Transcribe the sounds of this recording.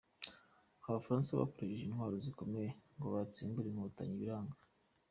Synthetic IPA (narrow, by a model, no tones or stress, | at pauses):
aβafaɾaːnsaβa̰koɾaʃeʒinhwaːɾo̞ziko̞mejeŋɡo̞βat͡siːmbuɾemuutaɲiβiɾaːŋɡḁ